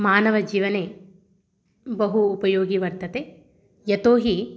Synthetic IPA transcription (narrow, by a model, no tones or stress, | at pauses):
maːnɐʋɐd͡ʒiːʋɐneː | bɐɦuːpɐjoːɡiʋɐɾt̪ɐt̪e | jɐt̪oːɦi